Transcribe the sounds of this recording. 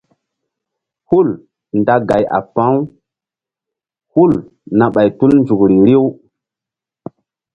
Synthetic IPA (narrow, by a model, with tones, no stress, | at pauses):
hu˦l | nda˦ɡa˨ja̰˨pã˦w | hu˦l | na˨ɓa˨jtu˦lnd͡ʒu˨kɾi˨ɾi˦w